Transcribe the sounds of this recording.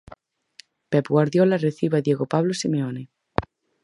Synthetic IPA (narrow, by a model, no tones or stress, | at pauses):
pepɣwaɾðjolareθiβaðjeɣopaβlosimeone